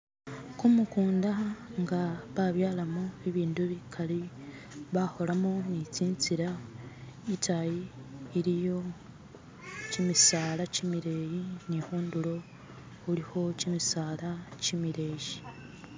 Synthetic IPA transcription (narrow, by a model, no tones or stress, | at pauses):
kumukuːndaŋɡaβaβjaːlamoeβiːndueβikʰali | βaho̞lamonit͡siːnt͡siɾa | itajiːɾijo̞ | cimisaːlacimiɾe̞ːjinihuːnduɾo̞ | uɾiho̞cimisaːlacimiɾe̞ːji